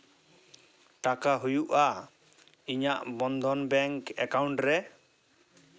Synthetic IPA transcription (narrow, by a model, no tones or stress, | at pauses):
ʈakaɦujuʔa | iɲaʔbɔnd̪ʱɔnbɛŋkɛ̰kawɳʈɾɛ